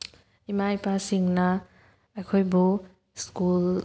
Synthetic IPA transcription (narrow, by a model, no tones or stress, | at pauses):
imajpasiŋna | ajkʰojbu | skul